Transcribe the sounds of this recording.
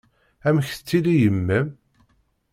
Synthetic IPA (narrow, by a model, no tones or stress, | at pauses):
æmçθə̥t͡sːilijəmːəm